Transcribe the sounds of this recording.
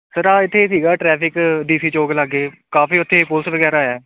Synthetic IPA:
səɾaːɪt̪ʰːeːsiːɡaːʈɾɛːpʰɪkɖ̪iːsiːt͡ʃoːkləɡːeːkaːfiːʊt̪ʰːeːpʊlsʋəɡɛːɾaːɛː

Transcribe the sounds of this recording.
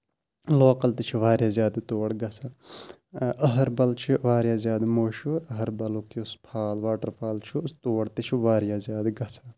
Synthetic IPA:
loːkɐlt̪it͡ʃʰiʋaːɾjaːzjaːd̪t̪oːɽɡɐsaː | ɐɦɐɾbɐlt͡ʃʰiʋaːɾjaːzjaːd̪moːʃuːɾɐɦɐɾbɐlokiʊspʰaːlʋaːʈɐɾpʰaːlt͡ʃʰust̪oːɽt̪it͡ʃʰiʋaːɾjaːzjaːd̪ɡɐsaː

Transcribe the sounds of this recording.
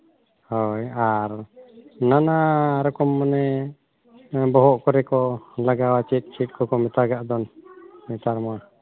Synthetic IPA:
hɔjaɾ | nanaɾɔkɔmːanɛ | bɔɦɔʔkɔɾɛkɔlaɡawat͡ʃɛt̪̚ˀt͡ʃɛt̪̚kɔkɔmɛt̪aɡaʔd̪ɔnmɛt̪aɾma

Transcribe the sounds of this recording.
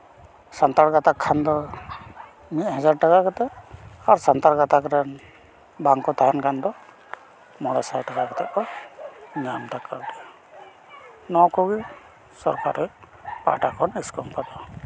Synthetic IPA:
sant̪aɾɡat̪akʰːand̪ɔ | mit̪̚had͡ʒaɾ̚ʈakakɔt̪ɛʔaɾsant̪aɾɡat̪akɾɛn | baŋkɔt̪aɦankand̪ɔ | mɔɽasajʈakakɔt̪ɛʔɔ | ɲamt̪akaʈɛ | nɔkɔɡi | sɔ̰ɾka̰ɾɔj | pa̰ʈakʰɔniskɔmpad̪ɔ

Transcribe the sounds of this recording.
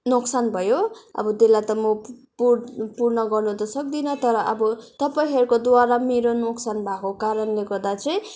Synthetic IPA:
noksanbʱʌjoʌ̰bʌd̪elat̪ʌmʌpupurnʌɡʌrnud̪ʌsʌk̚d̪inʌt̪ʌɾʌʔʌbʌt̪ʌpaĩɦʌɾukod̪waɾameɾonoksanbʱakokaɾʌnleɡʌɾd̪at͡sʌj̃

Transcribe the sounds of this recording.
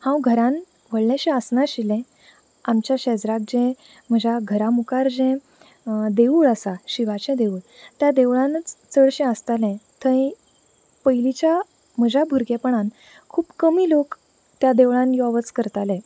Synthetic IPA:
hãwɡʱəɾãn | ʋəɭɳjaɕɛ̃əsnaɕilɛ̃ | amt͡ɕjaɕɛd͡zɾak̚d͡ʑɛ̃ | m̤əd͡ʑaɡʱəɾamukaɾd͡ʑɛ̃ | d̪euːɭəsaɕiʋat͡ɕɛ̃d̪euːɭ | t̪jad̪eʋɭãnət͡st͡səɭɕɛ̃əst̪alɛ̃t̪ʰə̃ĩ | pəjlit͡ɕja | m̤əd͡ʑʱabʱuɾɡɛpəɳan | kʰuːpkəmiːlok | t̪jad̪eʋɭãnjɔʋət͡skəɾt̪alɛ̃

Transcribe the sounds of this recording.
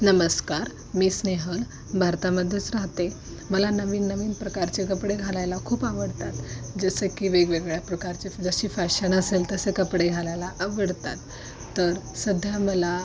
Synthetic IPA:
nəməskaɾ | miːsneɦəl | bʱaɾt̪aməd̪ʱjet͡sɾaɦt̪e | məlanəʋiːnːəʋiːnpɾəkaɾt͡ɕekəpɽeɡʱalajlakʰuːpaʋəɽt̪at̪d͡zəsəkiːʋeɡʋeɡɭjapɾəkaɾt͡sed͡zəɕiːfaɕəɳ̃əselt̪əsekəpɽeɡʱalajlaʔaʋəɽt̪at̪ː | əɾsəd̪ʱjaməla

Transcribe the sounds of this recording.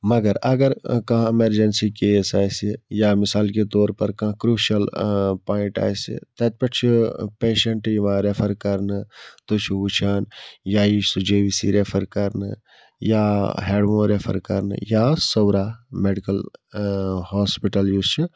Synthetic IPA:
mɐɡɐɾɐɡɐɾkãɦemɐɾd͡ʒɐnsikeːsaːsijaːmɪsaːlket̪oːɾpɐɾkãkɾuːʃɐlpaːiɳʈa̰ːjsḭt̪ɐt̪̚pɐʈt͡ʃʰipeːʃeɳʈjimãːɾepʰɐɾkɐɾnɨt̪ot͡ʃʰuut͡ʃʰaːnjaːisud͡ʒeːʋisiɾepʰɐɾkɐɾnɨ̰ | jaɦeːɖmõɾepʰɐ̰ɾkɐ̰ɾnɨ̰jaːsɐwɾaːmeɖikɐl | hɔːspiʈɐljust͡ʃʰi

